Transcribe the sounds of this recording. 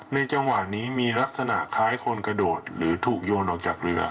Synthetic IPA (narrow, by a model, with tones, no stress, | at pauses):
na˧jt͡ɕa˧ŋwa˨˩niː˦˥miː˧ɾa˦˥k̚sa˧na̰˨˩ʔkʰaː˦˥jkʰo˧nkɾa˧doː˨˩t̪̚ɾɯː˩˦t̪ʰuː˨˩k̚joː˧nʔɔː˨˩k̚t͡ɕaː˨˩k̚ɾɯ˧ɐ